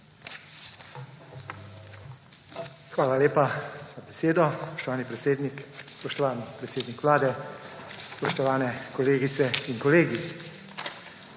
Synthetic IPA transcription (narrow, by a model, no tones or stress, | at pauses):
xʋaːlaleːpaz̥abɛseːd̪ɔspɔ̥ʃt̪ɔʋaːnipɾɛt̪seːd̪nikspɔʃt̪ɔʋaːnipɾɛt̪seːd̪nikʋlaːd̪ɛ | spɔʃt̪ɔʋaːnɛkɔleːɡit̪sɛinkɔleːɡi